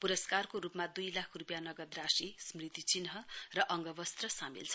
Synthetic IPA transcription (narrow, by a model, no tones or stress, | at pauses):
puɾʌskarkoɾupmad̪ujlakʰrupjanʌɡʌd̪rasismrit̪it͡sinɦʌrʌʔʌŋɡʌbʌst̪rʌsamḭlt͡sʰʌ